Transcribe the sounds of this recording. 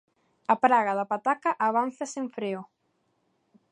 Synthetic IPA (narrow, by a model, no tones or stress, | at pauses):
apɾaɣaðapat̪akaʔɐβ̞anθaseɱfɾeo